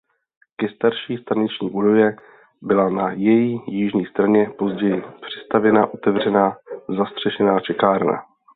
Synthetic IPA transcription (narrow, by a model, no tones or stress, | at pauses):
kɛst̪aɾʃiːst̪aɲɛt͡ʃɲiːʔudojɛ | bɪlanajɛjijɪʒɲiːst̪ɾaɲɛpo̞zɟɛjɪpr̝̥ɪst̪avjɛnaʔo̞t̪ɛvrɛnaːzast̪r̝̥ɛʃɛnaːt͡ʃɛkaːɾna̰